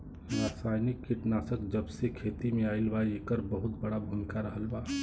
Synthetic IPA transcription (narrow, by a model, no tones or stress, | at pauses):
ɾaːsaːjnɪkkːiʈnaːsəkd͡ʒəbsekʰeːt̪imẽaːɪlbaekəɾbəɦʊt̪bəɽabʱumɪkaɾəɦəlbaː